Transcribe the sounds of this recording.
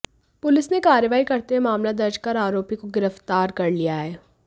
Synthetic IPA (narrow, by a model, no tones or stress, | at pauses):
pʊlɪsnekaːɾjəʋaːikɐɾt̪eɦɛ̃maːmlad̪ɐɾd͡ʒkɐɾaːɾoːpikoɡɪɾəft̪aːɾkɐɾlijaɦɛː